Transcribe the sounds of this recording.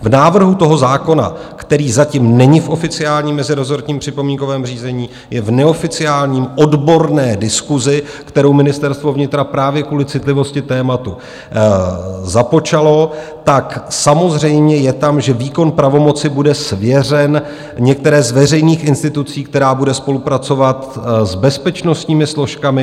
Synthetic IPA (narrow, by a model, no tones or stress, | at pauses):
vnaːvr̩ɦut̪o̞ɦo̞zaːko̞na̰kt̪ɛɾiːzaciːmnɛɲɪfʔo̞fɪt͡sɪaːlɲiːmːɛzɪɾozoɾt̪ɲiːmpr̥ɪpo̞miːŋko̞vɛːmr̝iːzɛɲiː | jɛvnɛo̞fɪt͡sɪaːlɲiːmʔo̞dbo̞ɾnɛːdɪskuzɪ | kt̪ɛɾo̞wmɪnɪst̪ɛɾst̪vo̞vɲɪt̪ɾapɾaːvjɛkuːlɪt͡sɪt̪lɪvo̞scɪt̪ɛːmat̪u | zapo̞t͡ʃalo̞ | t̪aksamo̞zr̝ɛjmɲɛjɛt̪amʒɛviːko̞npɾavo̞mo̞t͡sɪbudɛsvjɛr̝ɛn | ɲɛk̚t̪ɛɾɛːzvɛr̝ɛjniːxʔɪnst̪ɪt̪ut͡siːk̚t̪ɛɾaːbudɛspo̞lupɾat͡so̞vat̪zbɛspɛt͡ʃno̞st̪ɲiːmɪslo̞ʃkamɪ